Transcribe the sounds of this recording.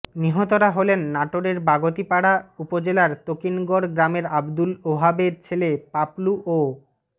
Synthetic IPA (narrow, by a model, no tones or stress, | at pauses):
niɦot̪oɾaɦolenːaʈoɾeɾbaɡot̪ipaɽaupod͡ʑelaɾt̪okinɡoɾɡɾameɾabd̪uloɦabeɾt͡ɕʰelepapluʔo